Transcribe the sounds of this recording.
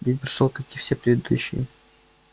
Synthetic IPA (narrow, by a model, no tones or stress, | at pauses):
dʲet̪ʲpɾʲɐ̥ʂot̪ɐkʲifsʲepɾʲɪd̪ɨd̪ṵɕːɪ̰j